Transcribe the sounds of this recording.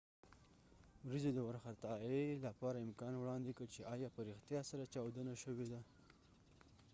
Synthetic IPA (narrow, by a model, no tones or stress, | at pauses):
wɾəzed̪əwaɾxat̪ɑelapɑɾaɪmkɑnwɽɑnd̪ekət͡ʃeɑjɑpəɾɪxt̪jɑsaɾat͡ʃɑwd̪ənaʃəwed̪a